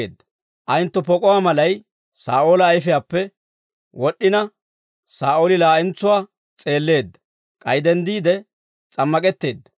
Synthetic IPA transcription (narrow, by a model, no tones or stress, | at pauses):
ed̪ːɐ | ʔɐjnt̪ːɔpɔkʼɔwaːmɐlɐj | saːʔoːlɐːjfɪjaːpːɛ | wɔɗːɪnɐ | saːʔoːlɪlaːʔɪnt͡sːʊwaː | t͡sʼe̞ːlːe̞ːd̪ːɐ̥ | kʼɐjd̪ɛnd̪iːd̪ɛ | t͡sʼɐmːɐkʼɛt̪ːe̞ːd̪ːɐ̥